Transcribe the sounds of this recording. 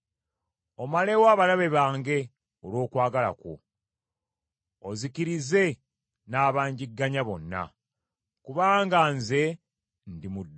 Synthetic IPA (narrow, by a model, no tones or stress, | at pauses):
o̞male̞waːβalaβe̞βaːŋɡe̞ | olo̞ːkwaːɡala̰ko̰ | ozikiɾize̞ | naːβaːɲɟiɡːaɲaβo̞nːa̰ | kuβaːŋɡanze̞ | ndimudː